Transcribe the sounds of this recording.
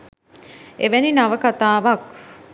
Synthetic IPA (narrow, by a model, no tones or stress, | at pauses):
eʋæninɐʋəkat̪aːʋɐk̚